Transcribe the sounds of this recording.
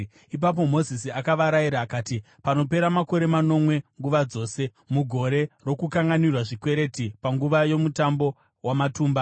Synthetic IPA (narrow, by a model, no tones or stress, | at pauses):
ip̬ap̬o̞mo̞zisiakaʋaɾaiɾaːkaːti | pano̞pe̞ɾamako̞ɾe̞mano̞mwe̞ŋɡuʋad͡zo̞ːse̞ | muɡʱo̞ɾe̞ro̞kukaŋɡanirwaʐikwe̞ɾe̞tipaŋɡuʋajo̞mutambo̞ | wamatuːmba